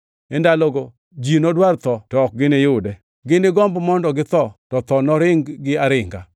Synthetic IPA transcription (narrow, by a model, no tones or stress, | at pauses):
ɛndalɔɡɔ | d͡ʒinɔdwart̪ɔtɔk̚ɡɪnɪjʊdɛ | ɡɪnɪɡɔmbmɔndɔɡɪt̪ɔtɔt̪ɔnɔɾɪŋɡɪaɾɪŋɡa̰